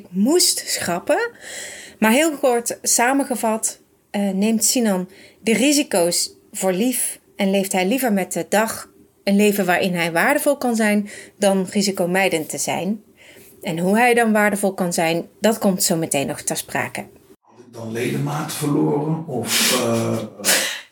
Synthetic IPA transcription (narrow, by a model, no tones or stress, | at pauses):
ɪkmustsxrɑpə | maːɹɦɪːlˠkɔɹtsaːməɣəvɑt | nejmtsinɑndərizikows | v̥ʊːɹlif | ɛnlejftɦɛjlivəɹmɛt̚dədɑχ | ənlejvəʋaːɹʔɪnɦɛjʋaːɹdəvɔlˠkɑnzɛjndɑnrizikowmɛjdəntəz̥ɛ̰jn | ɛnɦuɦɛjdɑnʋaːɹdəvɔlˠkɑnzɛjndɑtkɔmtsowmətejnːɔxtəspra̰ːkə | ɦɑtɪk̚dɑnlejdəmaːtəv̥əloːrənɔf